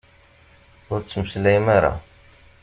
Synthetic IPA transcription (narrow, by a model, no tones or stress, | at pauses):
ʊɾt͡sːəməslæjmaɾa̰